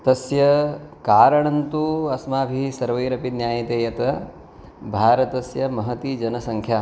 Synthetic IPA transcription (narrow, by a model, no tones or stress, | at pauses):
t̪ɐsjɐkaːɾɐɳɐnt̪uɐsmaːbʱisɐɾʋɐjɾɐpit̪njaːjɐt̪eːjɐt̪ɐ | bʱaːɾɐt̪ɐsjɐmɐɦɐt̪id͡ʒɐnɐsɐŋkʰjaː